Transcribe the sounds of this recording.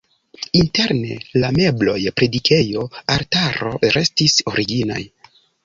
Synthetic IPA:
inte̞ɾne̞̰lame̞blo̞jpɾe̞dikʰe̞jo̞aɾtaɾo̞̰ɾe̞stiso̞ɾiɡina̰j

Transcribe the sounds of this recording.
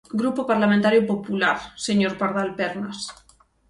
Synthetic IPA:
ɡɾupopaɾlamẽnt̪aɾjopopulaɾseɲoɾpaɾðalpɛɾnas

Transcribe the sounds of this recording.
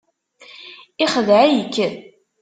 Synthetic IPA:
ɪχəðʕæjəkːən

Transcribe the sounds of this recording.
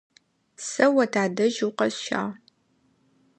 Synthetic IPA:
sɐwɐtʰaːdɐʒuwqɐsʃa̰ːʁ

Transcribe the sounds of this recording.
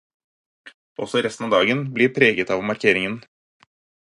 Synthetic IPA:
ɔsɔɾɛst̪n̩ɑːʋd̪ɑːɡənbliːɾpʰɾeːɡət̪ɑːʋmɑɾkʰeːɾɪŋən

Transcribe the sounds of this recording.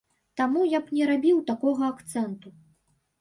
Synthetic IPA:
t̪amujapnʲɛɾabʲiwt̪akɔɣɐakt̪sɛnt̪u

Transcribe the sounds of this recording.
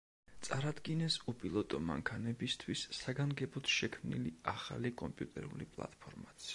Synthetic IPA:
t̪sʼaɾad̪ɡinɛsupʼilˠɔt̪ʼɔma̰ŋkʰanɛbist̪ʰwisːaɡaŋɡɛbɔt̪ʰʃɛkʰmnḭliaχa̰likʼɔmpʼjut̪ʼɛ̰ɾṵlipʼlˠa̰t̪̚ʼpʰɔɾmat̪sʰi

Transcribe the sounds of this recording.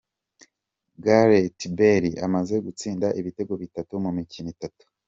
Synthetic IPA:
ɡaɾetibeɾiʔamaze̞ɡut͡siːndaʔiβite̞ɡo̞βitatumumicinitatu̥

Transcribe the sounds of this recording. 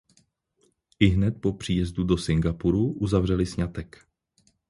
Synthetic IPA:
ʔɪɦnɛt̪̚po̞pr̝̥iːjɛzdudosɪŋɡapuɾuʔuzavr̝ɛlɪsɲat̪ɛk

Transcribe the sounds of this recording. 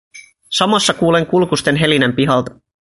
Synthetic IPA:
sɑmɑsːɑkuːle̞ŋkulkust̪e̞nɦe̞linempiɦɑlt̪ɑ

